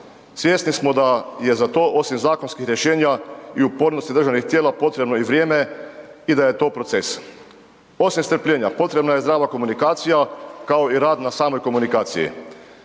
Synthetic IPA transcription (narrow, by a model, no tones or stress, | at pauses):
sʋjeːsnismo̞d̪aje̞zat̪o̞ːʔo̞simzaːko̞nskixɾjeʃe̞ːɲaiupo̞ɾnost̪id̪r̩ʒanixt̪jeːlapo̞t̪ɾe̞bno̞iʋɾjeːme̞id̪aje̞t̪o̞ːpɾo̞t̪se̞s | o̞simst̪ɾ̩pʎʲeːɲapo̞t̪ɾe̞bnajezd̪ɾaːʋako̞munikaːt̪sijakao̞iɾaːd̪nasaːmojko̞munikaːt̪sḭjḭ